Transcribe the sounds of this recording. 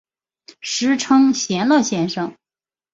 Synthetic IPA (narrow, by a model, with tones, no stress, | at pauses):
ʂɻ̩˧˥ʈ͡ʂʰɤ˥ŋɕjɛ˧˥nlɤ˥˩ɕjɛ˥˧nʂɤ˧˩ŋ